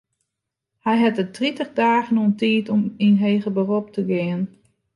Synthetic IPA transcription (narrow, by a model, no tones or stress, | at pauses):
hɛjɦɛtətritəχdaːɣənoəntiːtɔminɦeːɣəbərop̚tʰəɡɪən